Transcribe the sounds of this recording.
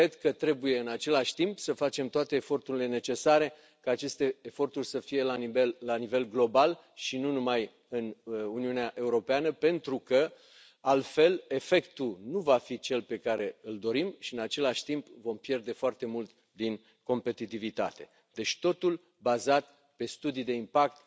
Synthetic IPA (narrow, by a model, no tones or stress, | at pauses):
kɾed̪kət̪ɾe̞buje̞ɨnat͡ʃe̞laʃʲt̪impsəfat͡ʃe̞mt̪oat̪e̞ːfo̞rt̪uɾile̞ne̞t͡ʃe̞saɾe̞ | kaːt͡ʃe̞st̪e̞ːfo̞rt̪urʲsəfije̞laelːanive̞lɡlo̞bal | ʃinunumaj | ɨnuniuneaʔe̞uɾo̞peanəpe̞nt̪ɾukə | alfe̞le̞fe̞kt̪unuvafit͡ʃe̞lpe̞kaɾe̞ɨld̪o̞ɾimʃiɨnat͡ʃe̞laʃʲt̪impvo̞mpje̞rd̪e̞foart̪e̞mult̪ | d̪in | ko̞mpe̞t̪it̪ivit̪a̰t̪e̞ | d̪̥e̞t͡ʃt̪o̞t̪ul | bazat̪̚ | pe̞st̪ud̪ijd̪e̞impak̚t̪